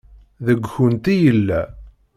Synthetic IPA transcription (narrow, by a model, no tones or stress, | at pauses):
ðəɡʷçunt̪ijəlːæ